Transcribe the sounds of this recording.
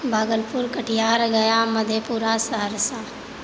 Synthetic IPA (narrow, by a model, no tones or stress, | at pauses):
bʱaːɡəlpuɾkəʈʰijaːɾɡɐjaməd̪ʱjepuːɾasəɦəɾsa